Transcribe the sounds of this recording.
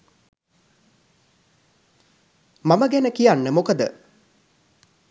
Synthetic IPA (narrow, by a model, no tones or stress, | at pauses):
maməɡænəkijanːəmokəd̪ə